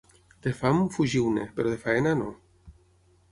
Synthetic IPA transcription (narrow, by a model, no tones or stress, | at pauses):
d̪̥efamfuʒiwnḛpeɾoðefaenano̰